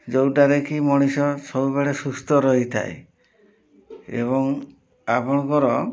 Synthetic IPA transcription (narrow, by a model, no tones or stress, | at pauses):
d͡ʒowʈaɾekimɔɽ̃isɔsɔbubeɭesust̪ʰɔɾɔɦit̪ʰa̰ḛ | ḛβɔŋ | apɔɽ̃ɔkɔɾɔ